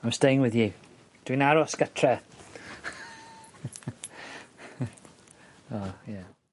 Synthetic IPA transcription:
amstejŋwɪðji | d̥winaɾɔsɡ̥ətʰrɛ | ɔja

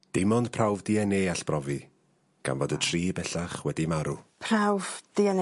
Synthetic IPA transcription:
d̥ɪmɔnd̥pʰrawvdiɛneːaɬb̥rɔvi | ɡ̥a̰nvoːdətʰriːbɛɬaχwɛdimaɾupʰrawvd̥iɛn

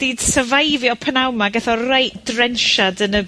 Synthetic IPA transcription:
d̥iːd̥səvajviɔpʰənawmaɡɛθɔrajd̥rɛnʃadənə

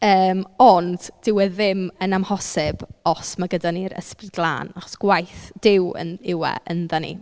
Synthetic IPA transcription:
əːmɔnd̥d̥ɪwɛðɪmənamhɔsɪb̥ɔsmaɡədaniɾə̰sprɪdɡlˠa̰ːnaχɔ̥sɡ̥wajθd̥ɪwə̰nɪwɛ̰ʔənðənḭ

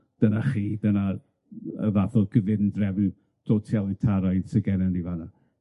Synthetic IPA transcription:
d̥ənaχiːdəna | ə̰vaθɔɡ̥əvɪndrɛvɪw | d̥ʰotʰɛlˠitʰaɾajð̥səɡɛnɛnivana

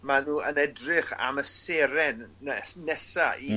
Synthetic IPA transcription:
manuːənɛdrɪχa̰məseɾɛnsnɛsaʔi

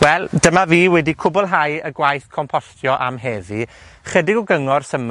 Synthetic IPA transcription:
wɛlˠd̥əmaviːwɛdikʰʊbɔlˠɦajəɡwajθkʰɔmpʰɔstʰjɔʔa̰mɦɛvi | χədɪɡɔɡəŋɔrsəm

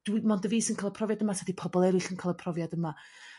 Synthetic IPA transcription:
d̥wimɔndəviːsənkʰaːlˠəpʰrɔvjadəmatʰadipʰɔbɔlˠɛɾɪɬənkʰalˠəpʰrɔvjadəma

